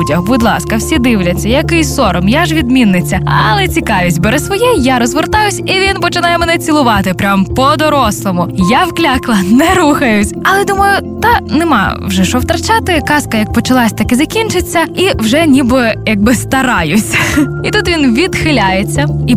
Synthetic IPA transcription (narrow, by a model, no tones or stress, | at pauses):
dʲɐhbʊd̪lˠɑskɐwsʲid̪ɪwlʲɐt͡sʲːɐjɐkɪjsɔɾɔmjaʒʋʲid̪mʲinːɪt͡sʲːɐɐlˠɛt͡sʲikɑʋʲisʲtʲbɛɾɛsʋɔjɛjaɾɔzʋert̪ɑjʊsʲiʋʲinpɔt͡ʃɪnɑjɛmɛnɛt͡sʲilˠʊʋɑt̪ɪpɾʲampɔd̪ɔɾɔslˠɔmʊjawklʲaklˠɐnɛɾuxɐjʊsʲɐlˠɛd̪umɐjʊt̪ɐnɛmɑ̰wʒɛʃɔwt̪ɾɐt͡ʃat̪ɪkɑskɐjɐk̚pɔt͡ʃɐlˠɑsʲt̪ɐkɪzɐkʲint͡ʃɪt͡sʲːɐiwʒɛnʲibɪjɐɡ̚bɪst̪ɐɾɑjʊsʲit̪ut̪ʋʲinʋʲid̪xɪlʲajet͡sʲːɐi